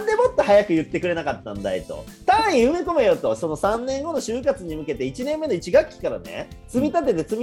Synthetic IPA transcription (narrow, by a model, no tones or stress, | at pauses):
nd̪e̞mo̞t̪ːo̞hajakɯ̟jɯ̟t̪ːe̞kɯ̟ɾe̞nakat̪ːã̰nd̪a̰et̪o̞̰t̪ãĩɯ̟me̞ko̞me̞jot̪o̞so̞no̞sãnːẽ̞ŋɡo̞no̞ɕɨːkat͡sɨɲ̟imɯ̟ke̞t̪e̞it͡ɕinẽ̞mːe̞no̞it͡ɕiɡakʲːi̥kaɾa̰ne̞̰t͡sɨmʲit̪at̪̬et̪e̞t͡sɨmʲi